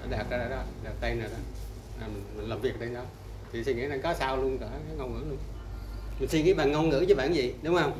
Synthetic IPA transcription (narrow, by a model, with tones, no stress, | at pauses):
a˧˦ɗaː˨˩k̚zaː˧ɗaː˧˩ɗɔ˨˦ɗaː˨˩p̚t̪e˧naː˨˩ɗɔ˨˦ | aː˨˩mï˨˩ŋmi˨˩ləː˨˩mvi˨˩ək̚ɗe˧nɗɔ˧˦ | t̪ʰi˨˩si˧ŋḭ˧˥a˨˩ŋkɔ˨˦saː˧wlu˧ənkəː˧˩kaː˨˦ŋɔ˧wŋɨ̰˧˥lu˧ənmï˨˩nsi˧ŋḭ˧˥˦ɓaː˨˩nŋɔ˧nŋɨ̰˧˥t͡ɕɔ˧˨˦ɓaː˧˨nzḭ˨ɗʊ˨˦ŋ͡mhə˧wŋ͡m